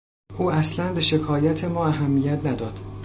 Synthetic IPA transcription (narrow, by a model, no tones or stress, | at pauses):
ʔuːæslænbe̞ʃekʰɒːjæt̪ʰe̞mɒːæɦæmːiːjæt̪ʰnæd̪ɒːd̪̥